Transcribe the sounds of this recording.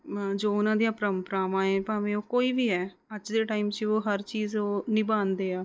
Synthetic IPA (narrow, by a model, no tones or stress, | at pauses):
d͡ʒoːʊnãːd̪ijãːpɾəmpɾaːʋãːẽːpãːʋẽːoːkoːiːʋiːɦɛː | əd͡ʒd̪eːʈaːiːmt͡ʃioːɦəɾt͡ʃiːzoːnɪ̃ːbaːnd̪eːaː